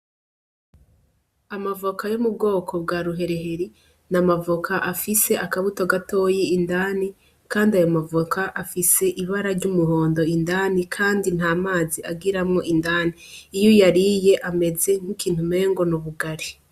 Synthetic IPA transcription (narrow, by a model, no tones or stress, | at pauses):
amavokʰajomubɡo̞ːkʰo̞bɡaːɾuɦe̞ɾe̞ɦe̞ɾi | namavokʰaʔafise̞ʔakaβuto̞ɡato̞ːjeindani | kaːndiajomavokaʔafise̞ʔiβaɾaɾɟumuɦo̞ːndo̞indaːnikʰaːndin̥haːmaːziaɡiɾamŋo̞ʔindaːniːjojaɾije̞ʔame̞ze̞ŋ̥ikiːnhume̞ːŋɡo̞nuβuɡaɾi